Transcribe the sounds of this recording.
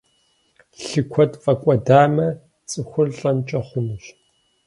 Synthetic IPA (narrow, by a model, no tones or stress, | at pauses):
ɬɨkʷʰɔtfʼɐkʷʼɔdaːmɐ | t͡sʼɨxʷʊrɬʼɐnt͡ʃʼɐχʷʊnɨʃ